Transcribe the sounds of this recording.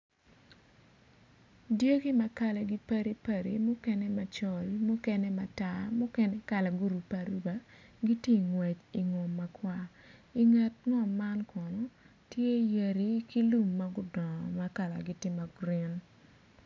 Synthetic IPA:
dje˦ɡi˦ma˨ka˦lɛ˨ɡi˦pɐ˦ɾi˦pa˨ɾḭ˨mu˦kɛ˦nɛ˦ma˨t͡ʃɔ˦lmʊ˦kɛ˦nɛ˦ma˨ta˦mʊ˦kɛ˦nɛ˦ka˨la˨ɡu˦ɾu˨pa˨ɾu˦ba˨ɡi˦tje˦˨ŋwɛ˨t͡ʃi˨ŋɔ˨mːa˨kwa˦i˨ŋa˨tŋɔ˨mːa˦nkɔ˨no˦ | tje˦je˨ɾi˦ki˦lu˦mːa˦ɡʊ˦dɔ˨ma˦ka˦˨la̰˨ɡi˨tɪ˦ma˨ɡɾi˦n

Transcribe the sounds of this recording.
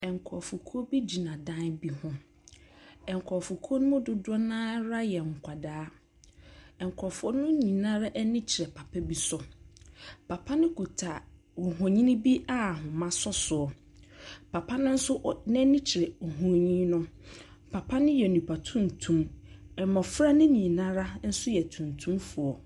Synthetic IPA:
ɛ˨ŋ˨kʰɔ˨fu˨kʰu˦o˦bi˦d͡ʑi˨nã˨dã˦nbi˦hʊ̃˦ | ɛ̃˨ŋ˨kʰɔ˨fu˨kʰu˦o˦nʊ̃˦mʊ̃˦dʊ˨dʊ˦ɔ˦nãː˦ɾa˦jɛ˨ŋ̩˨kʷʰa˨daː˨˦ | ɛ˨ŋ˨kʰɔ˨fɔ˦nʊ̃˦ɲĩ˨nã˦ɾa˦ʔɛ˦nĩ˦t͡ɕʰɪ˨ɾɛ˨pʰa˨pʰɛ˦bi˦sɔ˨ | pʰa˨pʰa˦nɪ̃˦kʰu˨tʰa˨ | wʊ˨ɦɔ̃˨ɲĩ˦nɪ̃˦bi˦a˦˨ɦʊ̃˨mã˦sɔ˦sʊ˨ɔ˨ | pʰa˨pʰa˦nʊ̃˦n̩˦sʊ˦nɪ̃˦nĩ˦t͡ɕʰɪ˨ɾɛ˨o˨ɦũ˨ɾɲĩ˦nʊ̃˦pʰa˨pʰa˦nɪ̃˦jɛ˨o˨nĩ˨pʰa˨tʰũ˦n̩˨tʰũ˦mɛ˨mɔ̃˨fɾa˦nɪ̃˦ɲĩ˨nã˦ɾa˦n̩˦sʊ˦jɛ˨tʰũ˨n˨tʰũ˦mfʊ˨ɔ˨

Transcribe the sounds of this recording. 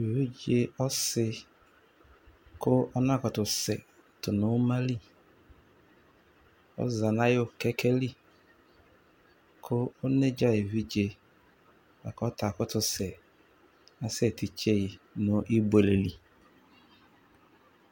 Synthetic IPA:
vi˦d͡ʒe˦ɔ˦sɪ˦ | kʰʊ˦ɔ˦nã˦˨kɔ˨tʊ˨sɛ̰˨ | tʊ˨nʊ˦ma˦li˦˨ | ɔ̰˦za˨na˦jʊ˦˨kɛ˦kʰɛ˦li˦ | kʰʊ˦ʊ˦ne˦d͡ʒa˦e˨vi˦d͡ʒe˨ | a̰˨kɔ˦tʰa˨kʊ˦tʊ˨sɛ˨ | na˨se˨ti˨t͡ʃe˦i˨nʊ˨˦ʔi˦be˨le˨li˨

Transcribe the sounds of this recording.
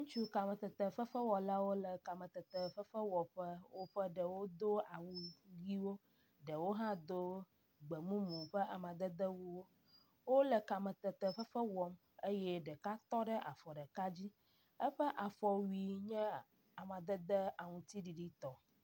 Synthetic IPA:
ŋũ˦t͡ʃu˦ka˨mə̃˨t̪ə˨t̪ə˨fə˦fə˦wɔ˨la˦wo˦lə˨ka˨mə̃˨t̪ə˨t̪ə˨ɸə˦fə˦wɔ˨ɸə˦wo˦ɸə˦ɖə˨wo˦d̪o˦a˨wu˨ɡi˦wo˦ | ɖə˨wo˦ɦã˦d̪o˦ | ɡ͡bə˨mũ˦mũ˨ɸə˦a˨mã˨d̪ə˦d̪ə˦wu˦wo˦ | wo˦lə˨ka˨mə˨t̪ə˨t̪ə˨fə˦fə˦wɔ˨m | e˦jɛ˦ɖə˨ka˦t̪ɔ˦ɖə˦ʔa̰˨fɔ˨ɖə˨ka˦d͡ʑi˦ | ə˦ɸə˦ʔa˨fɔ˨wi˨ɲɛ̃˦ | a˨mã˨d̪ə˦d̪ə˦a˨ŋũ˨t̪i˦ɖi˨ɖi˦t̪ɔ˨

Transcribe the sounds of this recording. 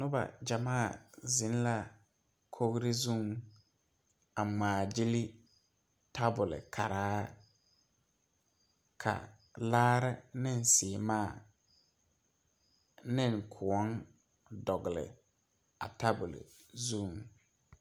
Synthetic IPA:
nʊ˦ba̰˨d͡ʒa˨maː˦˨zɪ˨˦n˦la˦ | kʰo˦ɣɾɪ˦zũ˦˨ŋ | a˨ŋ͡maː˨d͡ʒɪ˦li˦ | tʰa˦bʊ˨lɪ̰˨kʰa˨ɾaː˦ | kʰa̰˨ | laː˦ɾɪ˦nɪ˦n˨sɪ˨maː˦˨ | nɪ˦˨ŋkʰʊ˨ɔ˦n | dɔ˨ɣɪ˨lɪ̰˨ | a̰˨ta˦bʊ˨lɪ̰˨zũː˦˨ŋ

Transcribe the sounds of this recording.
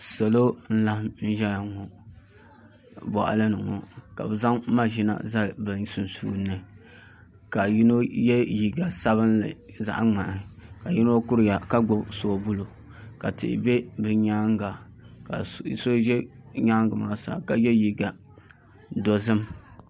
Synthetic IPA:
sa˨lo˦n̩˦la˦hn̩˦ʒɛ˦a˨ŋo˨ | bɔ̰˨ʔa̰˨lɨ˦nɨ˨ŋo̰˨ka̰˨bɨ˨za˦ŋ˦ma˦ʒi˦na̰˦za˦˨bɨ˨nsu˨n˨sṵː˦nːɨ˨ | ka˨ji˦no˦jɛ˦ji˨ɡa˨sa˦βɨ˦nlɨ˨za̰˨ʔa˦ŋ͡ma˨ka˨ji˦no˦kʊ˦ɾɨ˨ja˨ka˦ɡ͡bo˦bsoː˨˦˨bu˦lo˨ | ka˨tɪ̰˨ʔɪ̰˨bɛ˦bɨ˨ɲa˦ŋɡa˨ | ka̰˨so˦ʒɛ˦ɲa˦ŋɡɨ˨maː˦sa̰ː˨ka˨jɛ˦ji˨ɡa˨ | do˨zɨ˦m

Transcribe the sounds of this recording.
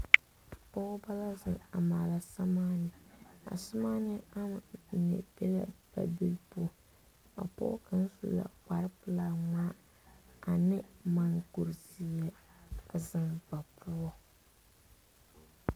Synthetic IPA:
pɔ˦ba˦la˦zɪ̰˨ŋa˨maː˨la˨sa˦maː˦nɨ˨a̰˨sʊ˦maː˦nɪ˦a˦m˨nɪ̰˨bɛ˦la̰˦ba̰˨bi˦lpo˦ | a̰˨pɔ̰˦ka˦n˦sṵ˨˦la̰˨k͡pa˨ɾɨ˦pɨ˦la˦ŋaː˦ | a˨nɪ˦ma˨ŋku˨ɾzi˨jɛ˦˨zɪ˨ŋba˨pʰu˦ɔ˦

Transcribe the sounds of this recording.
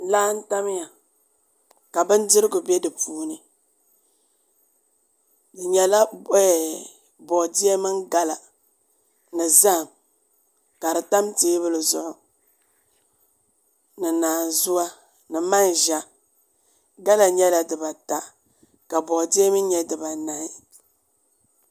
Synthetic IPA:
laː˦n̩˦ta˦m˦ja˨ | ka˨bɨ˦n˦dɨ˦ɾɨ˦ɡʊ˨bɛ˦dɨ˨puː˦nɨ˨ | dɨ˨ɲɛ˨la˦˨ | bɔ˨dɪ˦ɛ˦mɨ˦ŋɡa˦la˨ | nɨ˨za˦˨m | ka˨ɾɨ˨ta˦mteː˦bɨ˦lɨ˨zʊ˦ʔʊ˨ | nɨ˨naː˨zʊ˦a˦ | nɨ˨ma˦n˨ʒa˦ | ɡa˦la˨ɲɛ˦la˨dɨ˨ba˨ta˨ | ka˨bɔ˨ʔdɪ˦ɛ˦mɨ˦ɲɛ˦dɨ˨ba˨na˨i˦

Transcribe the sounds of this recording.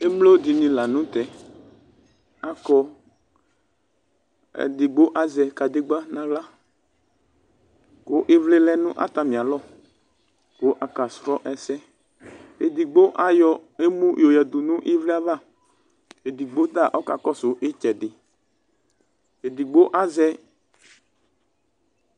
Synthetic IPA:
e˦mlo˦d̪ɪ˨nĩ˨la˨nũ˦t̪ɛ˨ | a˦kɔ˦ | ɛ̰˨d̪ɪ˨ɡ͡bo˦ʔa˨zɛ˨ka˨d̪ɪ˦ɡ͡ba˦nã˨ɣla˦ | kʊ˦ʔɪ˦vle˦lɛ˦nʊ̃˦ʔa̰˦t̪a˨mĩ˨a˨lɔ˦˨ | ko˦ʔa˨ka˨sɾɔ˦ʔɛ˨sɛ˦ | e˨d̪i˨ɡ͡bo˦ʔa˦jɔ˨e˦mũ˦jo˨ja˨d̪ʊ˨nʊ̃˦ʔɪ˦vle˦a˦va˦˨ | e˨d̪i˨ɡ͡bo˦d̪a˦˨ʔɔ˦ka̰˨kɔ˦sʊ˨ʔɪ˦t͡ʃɛ˨dɪ˨ | e˨d̪i˨ɡ͡bo˦ʔa˦zɛ˦

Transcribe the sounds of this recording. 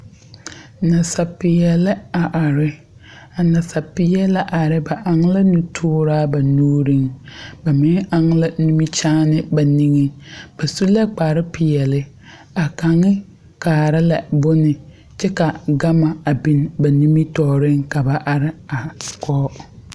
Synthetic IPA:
na˨sa˨pɪ˨jɛ˨lɪ˦a˨ʔa˨ɾɪ˦ | a˨na˨sa˨pɪ˨jɛ˦la˦ʔa˨ɾɪ˦ba˨ʔa˨ŋ˦la˦nu˨tʰʊː˦ɾaː˦ba˨nuː˦ɾi˦ŋba˨mɪ˦a˦ŋ˦la˦nu˦mi˦t͡ʃaː˦nɪ˦ba˨ni˦ŋe˦b̥a˨su˦lɛ˦k͡paː˨ɾɪ˦pɪ˨jɛ˨lɪ˦ | a˨ka˨ŋɪ˦ | kaː˨ɾɪ˦la˨bʊ˦nɪ˨ | t͡ʃɛ˦ka˨ɡa˦ma˨a˨bi˦nba˨ni˦mi˦tɔː˨ɾɪ˦ŋka˨ba˨ʔa˨ɾɪ˦a˨kʰɔː˦

